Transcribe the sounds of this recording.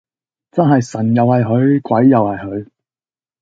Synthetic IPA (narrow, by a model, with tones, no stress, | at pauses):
t͡sɐ˥nɦɐ˨jsɐ˨˩njɐ˨whɐ˨jɦɵ˨˧ɥkʷwɐ˨˥jːɐ˨whɐ˨jɦɵ˨˧˥ɥ